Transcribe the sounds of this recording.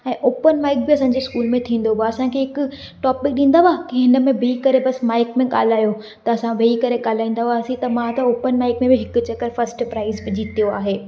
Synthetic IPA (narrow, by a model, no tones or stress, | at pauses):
ɛ̃ːʔoːpənmaːɪk̚biɐsãːɲd͡ʑeskuːlmẽt̪ʰĩːn̆d̪obʱaɐsãkʰeːɦɪkʊ̆ | ʈɔːpɪk̚ɗĩːn̆d̪aʋaːkiɦɪnə̆mẽbɪikɐɾebɐsmaːɪkmẽɠa̰ːl̤aːjo | t̪ɐɐsãʋeikɐɾeɠaːl̤aːĩːn̆d̪aʋasĩt̪ɐmãt̪ɐoːpənmaːɪkmẽbɪɦɪkʊ̆t͡ɕɐkəɾfɐɾsʈpɾaːɪzbɪd͡ʑit̪ijoa̰ːɦeː